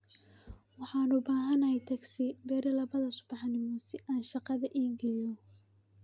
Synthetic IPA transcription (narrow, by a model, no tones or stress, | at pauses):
wɑħɑːnʊbaːɦɐnɐhɛjt̪ʰɐɡsɪbɛːɾɪlɐβɐðɐsʊ̥bɑħnɪmɔsɪʔaːnʃɑqɑðɐʔiːɡɐjɔ